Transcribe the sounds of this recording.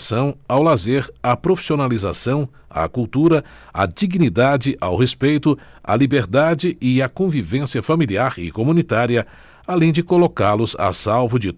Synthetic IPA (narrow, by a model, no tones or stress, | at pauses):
sɐ̃w̃awlazeɾɐpɾofi̥sionaliza̰sɐ̃w̃ | a̰kuwt̪uɾɐ | a̰d͡ʒiɡinid̪ad͡ʒɪʔawhespejt̪ʊ | a̰libeɾd̪ad͡ʒɪʔɪɐkõvivẽsiɐfamiliaɾɪ̰komũnit̪aɾiɐ | alẽj̃d͡ʒɪkolokaɾlʊza̰sawvʊd͡ʒɪ